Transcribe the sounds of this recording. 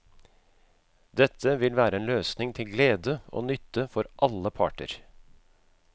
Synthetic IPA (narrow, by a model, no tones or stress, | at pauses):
d̪ɛt̪ʰːəʋɪlʋæːɾəeːnløːsnɪŋt̪ʰɪlɡleːd̪əo̰ːnʏt̪ʰːəfɔɾʔɑlːəpʰɑ̰ːʈə̰ɾ